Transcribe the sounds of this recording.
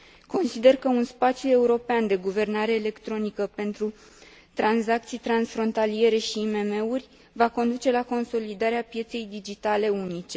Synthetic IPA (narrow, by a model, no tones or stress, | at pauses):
ko̞nsid̪e̞rkəunspat̪sjue̞uɾo̞peand̪e̞ɡuve̞rnaɾe̞ːle̞kt̪ɾo̞nikəpe̞nt̪ɾu | t̪ɾanzak̚t̪sijt̪ɾansfɾo̞nt̪alije̞ɾe̞ʃiːme̞me̞urʲ | vako̞nd̪ut͡ʃe̞lako̞nso̞lid̪aɾeapje̞t̪se̞jd̪id͡ʒit̪ale̞unit͡ʃe̞